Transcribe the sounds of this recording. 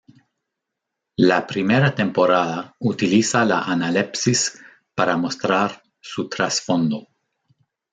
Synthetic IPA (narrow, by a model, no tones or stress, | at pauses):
lapɾimeɾat̪e̞mpo̞ɾaðaut̪ilisala̰ʔanalepsis | paɾamo̞st̪ɾaɾ | sut̪ɾasfo̞nd̪o